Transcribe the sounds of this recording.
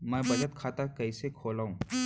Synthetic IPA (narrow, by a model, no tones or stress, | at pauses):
mɛ̃ːbɐd͡ʒət̪kʰaːt̪akɐisekʰoːlaːɦũː